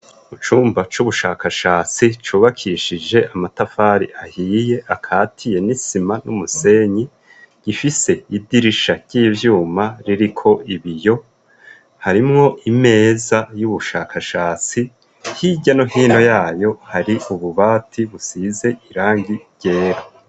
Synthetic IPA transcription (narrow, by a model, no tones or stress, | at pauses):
ut͡ʃuːmbat͡ʃuβuʃaːkaʃaːt͡sit͡ʃuːβakʰiːʃid͡ʒe̞ʔamatafaːɾḭʔahiːje̞ʔakʰaːtʰije̞nisimanumuse̞ːɲi | ɟ̥ifise̞idiɾiʃaɟ̥iːvjuːmaɾiɾikʰo̞ʔiβijo̞ | haɾimŋo̞ʔime̞ːzajuβuʃaːkʰaʃaːt͡si | hiɟanohiːno̞jaːjo̞haɾiuβuβaːtʰiβusize̞ʔiɾaːŋɡiɾɟe̞ːɾa